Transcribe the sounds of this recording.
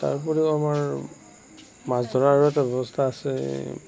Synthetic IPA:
ta̰ɹpɔɹiamaɹ | mazdʱɔɹaɹujatɛbʱɛbɔstʰaːsɛ̰

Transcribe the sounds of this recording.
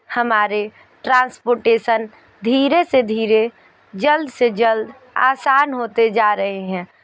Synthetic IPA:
həmaːɾe | ʈɾãːnspoːɾʈeːsən | d̪ʱiːɾesed̪ʱiːɾe | d͡ʒəld̪sed͡ʒəld̪ | a̰ːsaːnɦoːt̪ed͡ʒaːɾəɦeɦɛ̃ː

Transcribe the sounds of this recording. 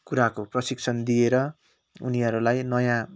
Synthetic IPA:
kuɾakoprʌsikt͡sʰʌnd̪ijeɾʌ | ṵniɦʌɾulajnʌjã

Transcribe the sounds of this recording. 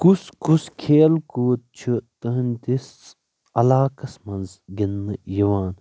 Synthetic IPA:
kuskuskʰeːlkuːt̪̚t͡ʃʰut̪ɐɦnʲt̪is | ɐlaːkɐsmɐnzɡinːɨjiʋaːn

